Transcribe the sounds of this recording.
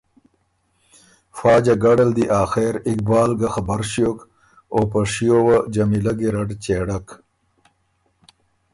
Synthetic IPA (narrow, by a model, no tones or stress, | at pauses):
fɑːd͡ʒaɡaɽald̪iʔaːxeɾɪk̚bɑːlɡaxabɐɾʃjoːk | opɐʂijowad͡ʒɐmilɐɡiɾɐɖt͡ɕeɽak